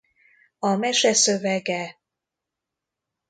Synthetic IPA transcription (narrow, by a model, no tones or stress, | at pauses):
ɒmɛʃɛsøvɛɡɛ